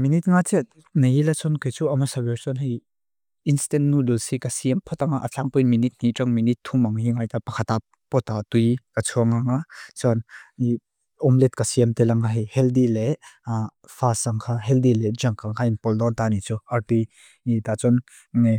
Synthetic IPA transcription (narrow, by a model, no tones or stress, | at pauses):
minit̪̚ŋat͡sɛ | nɐjilat͡sɔnkejt͡suɐmasabɛɾsɔnɦij | instɛntnululsikasiɛmpʰɔt̪aŋaʔat͡ɬaŋpɔjnminit̪̚niʈ͡ʂaŋminit̪ʰːumaŋɦiŋajt̪apɐkʰat̪ap̚ | pɔt̪at̪ujkat͡sʰuɐŋaŋat͡sɔni | ɔmlɛt̪̚kasiɛmt̪ɛlaŋaɦihɛldile | fʰasaŋkʰaɦɛldilɛd͡ʒaŋkaŋkʰainpɔld̪ɔnt̪anit͡suaɾtuj | it̪at͡sɔn